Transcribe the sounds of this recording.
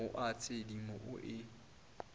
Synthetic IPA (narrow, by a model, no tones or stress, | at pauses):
ʊʔat͡sʰʼedimʊʔʊʔɪ